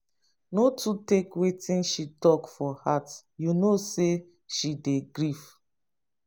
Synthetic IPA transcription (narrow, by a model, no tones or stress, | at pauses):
notutekwetĩnʃitɔkfɔhat | junose | ʃideɡɹif